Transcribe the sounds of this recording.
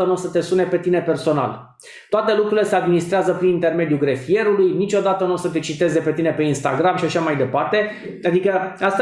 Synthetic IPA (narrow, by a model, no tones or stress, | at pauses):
ənusət̪e̞sune̞pe̞t̪ine̞pe̞rso̞na̰l | t̪oat̪e̞lukɾuɾilese̞ad̪minist̪ɾeazəpɾinint̪e̞rme̞d̪juɡɾefie̞ɾulujnit͡ʃo̞d̪at̪ənuosət̪e̞t͡ʃit̪e̞ze̞pe̞t̪ine̞pe̞inst̪a̰ɡɾamʃiaʃamajd̪e̞part̪e̞ | ad̪ikəast̪